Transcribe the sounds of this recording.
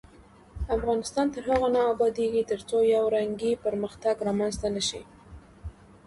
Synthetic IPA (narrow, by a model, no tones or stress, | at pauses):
afɣɑnɪst̪ɑnt̪əɾɦaɣanɑːbɑd̪eɡit̪əɾt͡sojawɾaŋɡipəɾməxt̪aɡɾɑmanzt̪anəʃḭ